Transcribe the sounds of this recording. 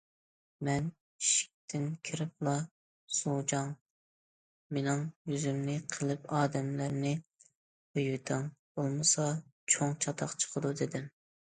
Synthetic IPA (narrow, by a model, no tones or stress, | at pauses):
mɛn | iʃi̥k̚ʲt̪ʰɪnkʲʰiɾɪp̚lˠɑ | sud͡ʒɑŋ | menɪŋjyzymnɪqʰəlˠɪpɑːd̪ɛmlæɾnɪ | bøjɪt̪ʰɪŋb̥olˠmɨsɑt͡ʃʰoŋt͡ʃʰɑt̪ʰɑqt͡ʃʰə̥qʰəd̪ud̪ɪd̪ɪm